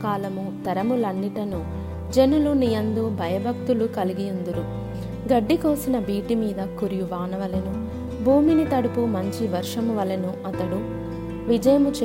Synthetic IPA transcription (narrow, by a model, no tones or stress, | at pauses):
kaːlɐmut̪ɐɾɐmulɐnːiʈɐnu | d͡ʒenulunijɐnd̪ubʱɐjɐbʱɐk̚t̪ulukɐliɡijɐnd̪uɾu | ɡɐɖːikoːsinɐbʱiːʈimiːd̪ɐkuɾijuʋaːnɐʋɐlɐnu | bʱuːminit̪ɐɽupumɐɲt͡ʃiʋɐɾʂɐmuʋɐlɐnuɐt̪ɐɽu | ʋid͡ʒɐjɐmut͡ʃ